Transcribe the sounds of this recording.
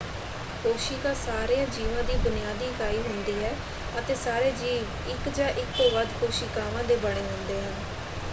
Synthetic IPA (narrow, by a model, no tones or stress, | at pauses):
koːʃiːkaːsaːɾejãːd͡ʒiːʋãːd̪iːbʊnɪjaːd̪iːkaːiːɦʊnd̪iːɦɛː | ət̪eːsaːɾeːd͡ʒiːʋ | ɪkd͡ʒãːʔɪkːoːʋəd̪koːʃiːkaːʋãːd̪eːbəɽ̃eːɦõnd̪eːɦə̃ːn